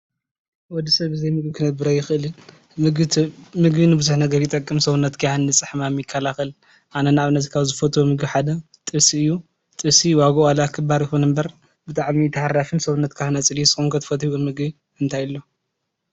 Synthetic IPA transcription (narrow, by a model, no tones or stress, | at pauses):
wɔd̪isɐβɨzɐjmɨɡbikʰɨnɐbɨɾɐjɪxɨʔɨlɨ | mɨɡ̪ʰmɨɡbinɨbɨzuħnɐɡɐɾjɪt̪ʼɐkʼːɨmsɐβunːɐt̪kʰɨjanːɨt͡sʼɨħmamjɪkʰːɐlaxɐl | ʔanɐnaaβɨnɐzkʰaβzɨfɐt̪ʰomɨɡbiħad̪ɐ | t̪ʼɨsiɨjːu | t̪ʼɨsiwaɡɐalakʰɨbaɾjɪkonɨmbɐɾ | bɨt̪ʼaʕmit̪ʰɐħaɾafɨnsɐβunːɐt̪kʰaɨnɐt͡sʼɨlijusɨxʼomkʰɨt̪ʰɨ̥fɐt̪iɡomɨɡbi | ɨnt̪ʰajlːo̞